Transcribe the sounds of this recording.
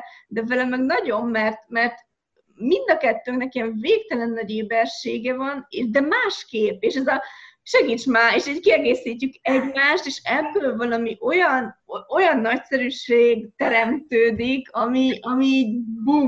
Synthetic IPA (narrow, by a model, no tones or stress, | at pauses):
d̪ɛvɛlɛmɛɡnɒɟo̞mːɛrt̪mɛrt̪ | mind̪ɒkɛt̪ːøːŋknɛkiɛɛɱveːk̚t̪ɛlɛnːɒɟeːbɛrʃeːɡɛvɒneːʃd̪ɛmaːʃkeːpeːʃɛzɒʃɛɡiːt͡ʃmaːeːʃiːckiɛɡeːsiːcːykɛɟmaːʃt̪eːʃɛbølvɒlɒmiʔo̞jɒno̞jɒnːɒcsɛɾyʃeːɡt̪ɛɾɛmt̪øːd̪ikʰɒmiʔɒmiːɟbu